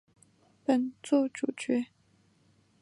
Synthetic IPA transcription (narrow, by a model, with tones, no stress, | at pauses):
pə˨˩nt͡swɔ˥˩ʈ͡ʂu˨˩t͡ɕɥɛ˧˥